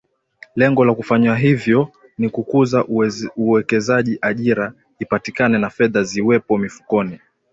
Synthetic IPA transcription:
lɛŋɡɔlakufaɲwaɦivjɔ | nikukuzauwɛkɛzaʄiʔaʄiɾa | ipatikanɛnafɛðaziwɛpɔmifu̥kɔni

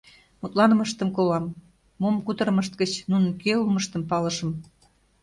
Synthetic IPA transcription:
mut̪lɑnməʃt̪əmkolɑmː | omkut̪əɾəməʃt̪̚ɡət͡ɕnunənkeuməʃt̪əmpɑləʃə̆m

